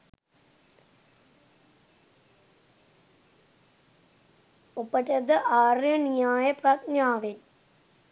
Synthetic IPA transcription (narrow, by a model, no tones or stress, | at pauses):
opːɐʈɐd̪ɐʔaːrjɐnijaːjɐpɾaːt̪naːʋen